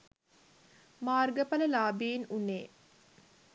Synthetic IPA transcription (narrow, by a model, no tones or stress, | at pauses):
maːrɡəpɐləlaːbinunːeː